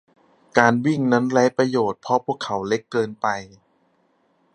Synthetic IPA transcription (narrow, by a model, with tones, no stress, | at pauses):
kaː˧nwi˥˩ŋna˦˥nlɛ˦˥jpɾa˧joː˨˩t̪̚pʰɔ˧˦˥pʰu˥˩əkʰːa˩˦wle˦˥kːɤː˧npa˧j